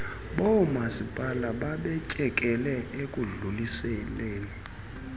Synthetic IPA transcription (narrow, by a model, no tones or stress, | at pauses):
ɓɔmasipʼalaɓaɓɛcʼɛkʼɛlɛʔekʼuɮulisɛleːni